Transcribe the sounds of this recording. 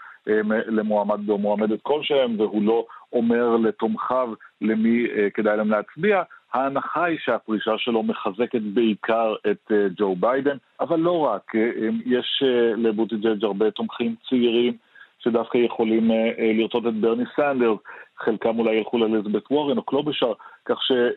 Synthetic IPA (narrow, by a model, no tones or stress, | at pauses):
ʔemlemoamad̪̚beomoamed̪et̪̚ko̞lʃeemvehulo̞ome̞ʁle̞t̪o̞mχavlemike̞d̪ajleemleat͡sbiahaːnaχajʃeapʁiʃaʃe̞lo̞meχaze̞ket̪beikʰaʁe̞t̪d͡ʒo̞wbajd̪en | avalːo̞ʁakmjeʃlebut̪id͡ʒed͡ʒaʁbe̞t̪o̞mχimt͡seiʁimʃe̞d̪afkajeχo̞limliʁt͡so̞t̪̬et̪beʁnisand̪eʁzχe̞lkamulajelχulalezbet̪wo̞ʁinoklobeʃaʁkaχʃe̞